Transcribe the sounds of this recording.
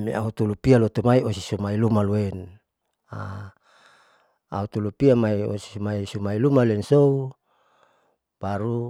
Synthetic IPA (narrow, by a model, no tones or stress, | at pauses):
mḭa̰ut̪ulupialot̪umaiosisumailumaloɛn | a̰ | a̰ut̪ulupiamaio̰si̥sumaisumailumalɛnsou | paɾu